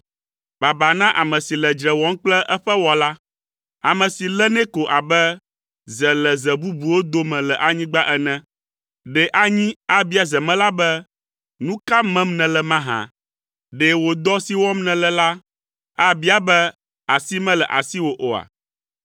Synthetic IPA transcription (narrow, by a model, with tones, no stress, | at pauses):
ba˨ba˨nã˦ʔa˨mɛ̃˨si˨lɛ˨d͡ʒɾɛ˨wɔ˦ŋ˦k͡plɛ˦ʔɛ˦ɸɛ˦wɔ˨la˦ | a˨mɛ̃˨si˨lɛ˦nɛ̃˦ko˨ʔa˨bɛ˦ | zɛ˨lɛ˨zɛ˨bu˦bu˨wo˦d̪o˦mɛ̃˨lɛ˨ʔa˨ɲĩ˦ɡ͡ba˦ʔɛ˦nɛ̃˦ | ɖɛ˨ʔa˦ɲĩ˦a˦bi˦a˦˨zɛ˨mɛ̃˦la˦bɛ˦ | nũ˦ka˦mɛ̃˦mnɛ̃˨lɛ˨mã˦ɦã̰˨ | ɖɛ˨wo˨d̪ɔ˦si˦wɔ˦mnɛ̃˨lɛ˦la˦ | a˨bi˦a˨bɛ˦ | a˨si˦mɛ̃˦lɛ˨ʔa̰˨si˦wo˨ʔo˨a̰˨